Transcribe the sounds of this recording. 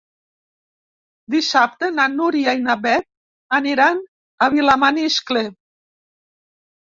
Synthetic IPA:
d̪isap̚t̪enanuɾiajnaβɛt̪̚ | aniɾan | aβilamaniskle

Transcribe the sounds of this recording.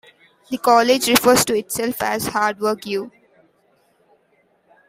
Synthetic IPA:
d̪ikɔːled͡ʒɾɪfəɾzʈuɪʈsɛlfæzhaːɾɖʋəɾkjuː

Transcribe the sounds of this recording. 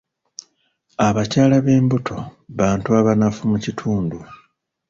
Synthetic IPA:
aβacaːlaβe̞ːmbutʰo̞βaːntuaβanafumucitʰuːndu

